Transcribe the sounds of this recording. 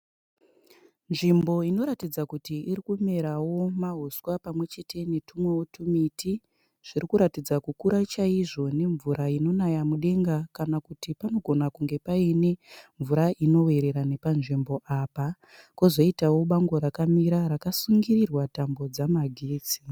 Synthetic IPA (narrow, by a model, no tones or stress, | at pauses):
nʐimbo̞ino̞ɾatid͡zakutiːrikume̞ɾawo̞maɦoswapamwe̞t͡ʃe̞tʰe̞netumwewotʰumitʰi | ʐ̥iɾikuɾatid͡zakukuɾat͡ʃaiʐo̞ne̞ɱvuɾaino̞najamuɗe̞ŋɡakanakutipano̞ɡʱo̞nakuŋɡe̞paine̞ɱvuɾaʔino̞we̞ɾe̞ɾane̞panʐimbo̞ʔaːpa | kuzo̞itawo̞ɓaŋɡoɾakamiɾaɾakasuŋɡirirwatambo̞d͡zamaɡʱiːt͡si